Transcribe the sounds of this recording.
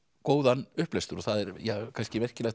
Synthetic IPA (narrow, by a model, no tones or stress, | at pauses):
koːwðanʏhplɛst̪ʏɾɔθaðɛɾjakʰanscɪvɛr̥cɪlɛx